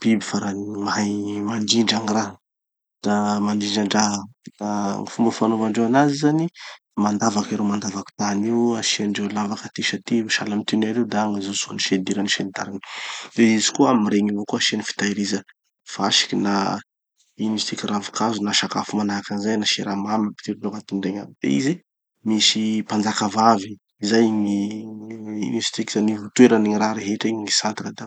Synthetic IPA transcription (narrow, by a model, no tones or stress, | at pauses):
b̥ibifaɾanimamaɳd͡ʒiɳɖ͡ʐaŋiraɦ | d̪̥amaɳd͡ʒiɳɖ͡ʐaɳɖ͡ʐaɦd̪aŋifumbəfanomaɳɖ͡ʐeanazizani | mand̪avakeɾomand̪avaki̥t̪aniwaʃianɖ͡ʐelavakat̪iʃat̪iiʃalamit̪inaɾed̪aaŋazosuniʃed̪iɾaniʃenit̪a̰ɾinileizi̥kuaamiɾeɲivokuaʃianifi̥t̪aiɾizə | faaʃi̥kina | inist̪ikiravi̥kazunaʃakafumanakanizajnaʃeɾamamapi̥t̪iɾlokat̪iɖ͡ʐeɲamibḛizi | misipand͡zakavavi | zajŋi | inisi̥t̪ikizanivut̪ueɾaniɲiɾaɾeɦeʈ͡ʂiɲiŋisant̪ɾad̪a